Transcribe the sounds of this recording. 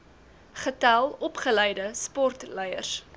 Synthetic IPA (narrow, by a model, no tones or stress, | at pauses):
χətælˠɔpχəlɛjdəspɔrtlɛjərs